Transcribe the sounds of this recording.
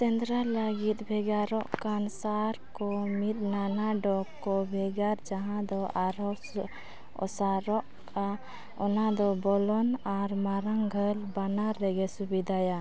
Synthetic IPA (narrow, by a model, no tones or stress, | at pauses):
t̪ɛnd̪ɾaləɡit̪̚bʱɛɡaɾɔʔkansaɾkɔmit̪̚nanaɖɔkɔbʱɛɡaɾd͡ʒaɦãd̪ɔʔaɾɔs | ɔ̰saɾɔʔ | ka | ɔnad̪ɔbɔlɔnaɾmaɾaŋɡʱəlbanaɾɛɡɛsubid̪ʱaja